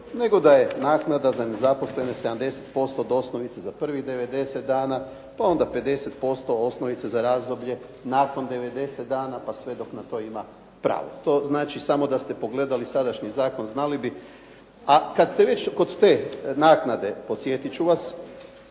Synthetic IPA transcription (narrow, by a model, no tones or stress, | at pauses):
ne̞ɡo̞d̪aje̞naːknad̪azane̞zapo̞sle̞ne̞sed̪amd̪e̞se̥t̪po̞st̪od̪o̞snoʋit̪sezapr̩ʋiɣd̪e̞ʋe̞d̪e̞set̪̚d̪aːna | pao̞nd̪ape̞d̪e̞se̞t̪po̞st̪o̞osnoʋit̪sezaɾaːzd̪o̞bʎe̞ | naːko̞nd̪e̞ʋe̞d̪e̞set̪d̪aːnapasʋe̞d̪o̞knat̪o̞ːima | pɾa̰ːʋo̞̰t̪o̞ːznaːt͡ʃisamo̞d̪ast̪e̞po̞ɡle̞d̪alisad̪aʃɲizaːko̞nznalibi | akat̪st̪e̞ʋe̞t͡ɕko̞d̪t̪e̞ːnaːknad̪e̞po̞t̪sje̞t̪it͡ʃuʋas